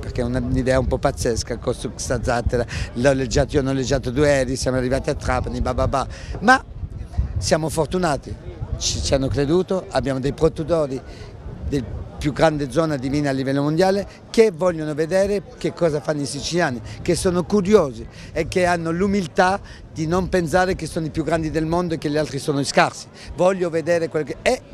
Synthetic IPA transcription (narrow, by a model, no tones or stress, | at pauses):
peɾkeunanid̪ɛːaumpɔpːat̪sːɛskakɔst̪usad̪zːat̪ːeɾalɔled͡ʒat̪ionɔlːed͡ʒːaːt̪od̪uɛɾisjaːmarːivaːt̪iat̪ːɾaːpanibababama | sjaːmofoɾt̪unaːt̪it͡ʃit͡ʃianːokɾed̪uːt̪oabːjaːmod̪ejpɾot̪ut̪ɔːɾi | d̪elpjuɡɾand̪ed̪zːɔːnad̪iviːnalːivɛlːomond̪jaːle | kevɔʎːonoved̪ɛːɾekekːɔːzafanːisit͡ʃiljaːnikesːoːnokuɾjoːzi | ɛkːeanːolumilt̪a | d̪inompens̬aːɾekesːoːnoipjuɡːɾand̪id̪elmond̪oekːelealt̪ɾisoːnoiskaɾsi̥ | vɔʎːoved̪ɛːɾekwelokeɛ